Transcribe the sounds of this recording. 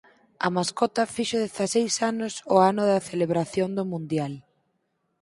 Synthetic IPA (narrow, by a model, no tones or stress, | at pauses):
ɐ̰maskɔt̪ɐfiʃʊðeθasejsanʊsʊanʊðɐθeleβɾaθjond̪ʊmũnd̪jal